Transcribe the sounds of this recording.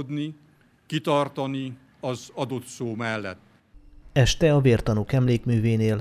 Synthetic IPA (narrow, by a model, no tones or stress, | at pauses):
d̪ni | kit̪ɒrt̪ɒni | ɒzɒd̪o̞t̪soːmɛlːɛ̰t̪ː | ɛʃt̪ɛɒveːrt̪ɒnukɛmleːkmyːveːneːl